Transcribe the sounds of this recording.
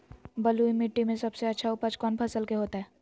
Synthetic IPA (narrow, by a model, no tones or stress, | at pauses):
bɐluimɪʈːimẽsɐbseɐtːʃʰaʊpət͡ʃkɔːnpʰɐsəlkeɦoːt̪aɦɛː